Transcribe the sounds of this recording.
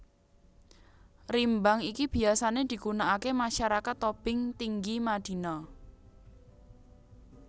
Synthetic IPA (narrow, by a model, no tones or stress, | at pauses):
rimbaŋikib̥i̤asaned̪̥i̤ɡunaʔakemaʃaɾakat̪ːob̥ɪŋt̪iŋɡimad̪̥i̤nɔ